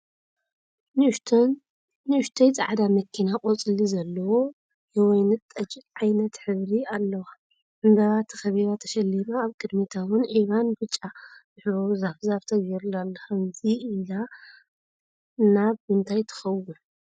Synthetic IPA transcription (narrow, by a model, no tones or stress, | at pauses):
nɨɨʃt̪ʰejzʼa̰ʕad̪amɐkʰːinakʼot͡sʼɨlizɐlːɐwo | jɛwɔjnɨt̪ʼːɐt͡ʃʼʕajnɐt̪ħɨβɾialːɐwa | ʔɨmbɐβat̪ʰɐ̥xɐβiβat̪ʰɐʃɐlːimaːβkʼɨd̪mit̪ʰawʊnʕiβanbɨt͡ʃʼːazɨħɾozafzaβt̪ʰɐɡjɛɾulalːɐxɐmziːla | naβɨnt̪ʰajt̪ʰɐ̥xɐwːu